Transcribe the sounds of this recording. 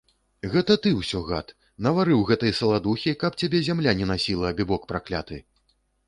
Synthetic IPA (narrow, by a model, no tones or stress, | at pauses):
ɣɛt̪ɐt̪ɨwsʲɔɣa̰t̪ | nɐvaɾɨwɣɛt̪ɨjɐsɐlˠad̪uxʲikɐp̚t͡sʲabʲɛzʲamlʲanʲɛn̪asʲilˠɐːbʲibɔk̚pɾaklʲa̰t̪ɨ